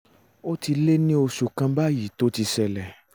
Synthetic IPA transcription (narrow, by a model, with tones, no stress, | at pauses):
o˦ti˧le˦nĩ˦o˧ʃu˧kã˧ba˦ji˨to˨˦ti˧sɛ˧lɛ˨